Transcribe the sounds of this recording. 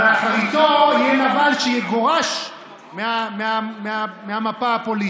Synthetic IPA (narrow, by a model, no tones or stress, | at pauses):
eaχaʁit̪ojjɛnavalʃejeɡo̞ʁaʃ | meameameameamapaapo̞li